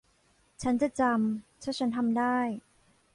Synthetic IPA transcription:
t͡ɕʰa˦˥nt͡ɕa˨˩t͡ɕa˧mt͡ɕʰt͡ɕʰa˦˥nt̪ʰa˧mdaː˥˩j

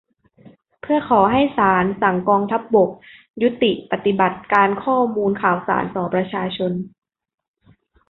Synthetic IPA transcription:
pʰɯ˥˩ɐkʰɔː˩˦ɦa˥˩jsaː˩˦nsa˩˦ŋkɔː˧ŋt̪ʰa˦˥p̚bo˨˩k̚ | ju˦˥t̪ːi˨˩ʔpa˨˩t̪i˨˩ba˨˩t̪̚kaː˧nkʰɔː˥˩muː˧nkʰaː˨˩wsa̰ː˩˦nt̪ɔː˩˦pɾa˧t͡ɕʰaː˧t͡ɕʰo˧n

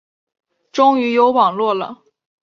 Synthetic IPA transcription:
ʈ͡ʂʊ˥ŋy˧˥jo˧˥ʊwɑ˨˩ŋlwɔ˥˩lə̰˩

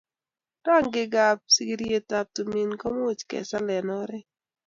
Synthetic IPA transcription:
ta˦˨ŋɡɪ˦ɡa˨p̚si˦ɡɾie˨ta˨p̚to˨mi˨nkɔ˦mo˦t͡ʃkɛ̰˨sa˦lɛ˨nɔ˦ɾɛ˦

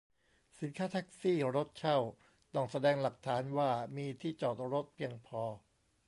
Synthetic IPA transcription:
si˩˦nkʰaː˦˥t̪ʰa˦˥k̚siː˥˩ɾo˦˥t̪̚t͡ɕʰa˥˩w | t̪ɔ˥˩ŋsa˧dɛː˧ŋla˨˩k̚t̪ʰaː˩˦nwaː˥˩miː˧t̪ʰiː˥˩t͡ɕɔː˨˩t̪̚ɾo˦˥t̪̚pʰiː˧əŋpʰɔː˧

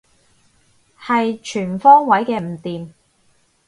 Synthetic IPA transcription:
hɐ˨jt͡ʃʰyː˨˩nfɔː˥ŋwɐ˨˥jkɛː˧m̩˨˩t̪iː˨m

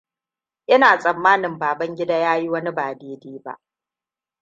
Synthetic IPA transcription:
ʔɪ˦naː˨sʼɐ˨mːaː˦nɪ˨mbaː˨bɐ˦ŋɡʲɪ˦da˦jaː˦ji˦wɐ˦ni˦baː˨deː˦deː˦ba̰˦ʔ

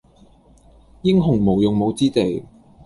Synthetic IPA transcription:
jɪ˥ŋɦʊ˨˩ŋmo˨˩wjʊ˨ŋmo˨˧wt͡siː˥t̪e˨˩j

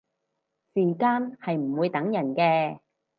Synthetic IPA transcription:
siː˨˩kaː˥nhɐ˨jm̩˨˩wuː˨˧jt̪ɐ˨˥ŋjɐ˨˩nkɛː˧

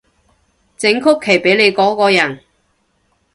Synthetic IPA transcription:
t͡sɪ˨˥ŋkʰʊ˥kʰːe˨˩jpe˨˥jle˨˧jkɔː˨˥kɔː˧jɐ˨˩n

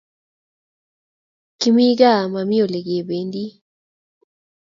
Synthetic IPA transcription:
ki˦mi˦ɡa˦˨ma˨mi˦o˨le˨ɡje˨be˨˦ndi˦

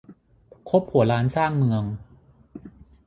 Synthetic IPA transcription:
kʰo˦˥p̚hu˩˦ɾaː˦˥nsaː˥˩ŋmɯ˧əŋ

